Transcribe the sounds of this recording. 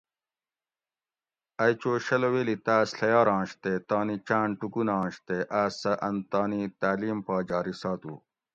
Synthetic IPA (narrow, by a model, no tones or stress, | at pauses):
ɐjt͡ɕoːɕɐloweːlit̪aːsɬɐjaːɾãːɕt̪et̪aːnit͡ɕaːɳʈukunɑ̃ːɕt̪eʔaːsɐʔɐnt̪aːnit̪aːliːmpaːd͡ʑaːɾisaːt̪ṵ